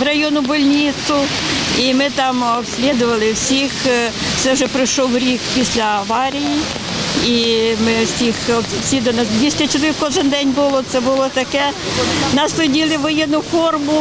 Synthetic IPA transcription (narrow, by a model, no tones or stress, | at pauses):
rɐjɔnʊbɔlʲnʲit̪sʊ | imɪt̪ɑmɔpsʲlʲid̪ʊʋɐlˠɪwsʲixsɛwʒɛpɾɪjʃɔwɾʲikpʲisʲlʲɐɐʋɑɾʲiji | imɪsʲixɔsʲid̪ɔnɑsd̪ʋʲisʲtʲɐt͡ʃɔd̪ɪkɔʒɪnd̪ɛnʲbʊlˠɔt̪sɛbʊlˠɔt̪ɐkɛnɐst̪ʊdʲilˠɪʋɔjɛnʊfɔrmʊ